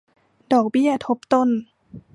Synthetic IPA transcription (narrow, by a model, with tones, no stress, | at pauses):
dɔː˨˩k̚bi˥˩˨ɐt̪ʰo˦˥p̚t̪o˥˨n